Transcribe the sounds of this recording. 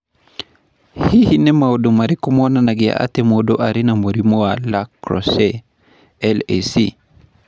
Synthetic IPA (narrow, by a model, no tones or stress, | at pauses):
hihinɛmaɔɗɔmaɾikɔmɔnanaɡia̰ʔa̰tɛmɔɗɔʔaɾinamoɾimɔwalakɾɔ̰sɛ | ɛlesḭ